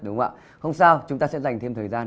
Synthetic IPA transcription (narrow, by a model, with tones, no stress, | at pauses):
ɗʊ˨˦ŋ͡mʔa̰ː˧˨ | hə˧wŋ͡msaː˧wt͡ɕʊ˨˦ŋ͡mt̪aː˧sɛ̰˧˥za˨˩jŋ̟t̪ʰe˧mt̪ʰəː˨˩jzaː˧n